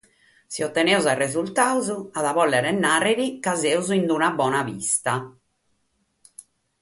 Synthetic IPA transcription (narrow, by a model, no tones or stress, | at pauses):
siɔt̪ːɛnɛuzarezult̪aːuzuaðavɔlːɛɾɛnːarːeɾikazɛuzuind̪unabɔːnavḭst̪a